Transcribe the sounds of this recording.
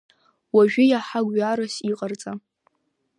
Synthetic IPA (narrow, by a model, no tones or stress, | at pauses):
waʒᶣʊjaħaɡʷɥaɾosiqʼart͡sʼa